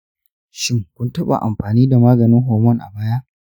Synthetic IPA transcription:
ʃɪ˦ŋkʷʊ˦ntɐ˦ɓa̰˨ʔa˨mɸaː˨niː˦da˨maː˦ɡɐ˨nɪ˦ŋɦoː˨mɔ˦ŋʔa̰˨baː˦ja˦ʔ

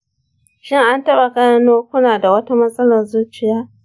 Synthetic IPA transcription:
ʃɪ˦ŋʔa˦ntɐ˦ɓa˨kʼɐ˦ɽa˦noː˦kʷʊ˦naː˨da˨wɐ˦ta˦mɐ˦sʼɐ˦lɐ˨rzuː˦t͡ʃɪ˨jaː˦

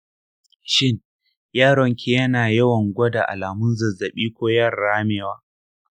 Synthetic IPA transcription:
ʃɪ˦ŋ | jaː˦ɽɔ˨ŋkʲe˦jɐ˦naː˨jɐ˦wɐ˨ŋɡʷɐ˦da˨ʔa̰˨laː˨mʊ˦nzɐ˨zɐ˨ɓiː˦kʷoː˦jɐ˦˨rːaː˦meː˨waː˦

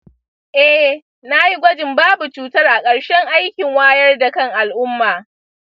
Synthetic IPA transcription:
ʔɛ˦ | na˦ji˦ɡʷɔ˦d͡ʒɪ˨mbaː˦bu˨t͡ʃuː˦tɐ˦rʔa˨kʼɐ˨ɽʃɛ˦ŋʔa˦jkʲɪ˨ŋwaː˦jɐ˦rda˨kɐ˦ŋʔa˨lʔʊ˦mːaː˨

